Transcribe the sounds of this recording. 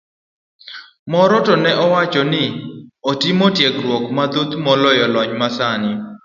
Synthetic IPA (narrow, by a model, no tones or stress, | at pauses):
mɔɾɔtɔnɛʔɔwat͡ʃɔnɪotimotjɛɡɾwɔkmad̪ot̪mɔlɔjɔlɔɲmasanɪ